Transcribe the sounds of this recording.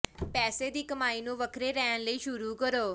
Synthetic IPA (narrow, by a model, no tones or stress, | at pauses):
pɛːseːd̪iːkəmaːiːnũːʋəkʰɾeːɾɛːəñləiːʃʊɾuːkəɾoː